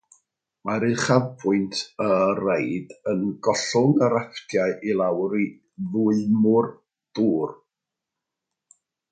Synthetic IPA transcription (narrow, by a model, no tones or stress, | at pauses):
maɾɨχavbʰʊɨntʰərejdənɡɔɬʊŋəɾapʰtʰjaɨʔilˠawɾi | ðʊɨmʊr | d̥uːr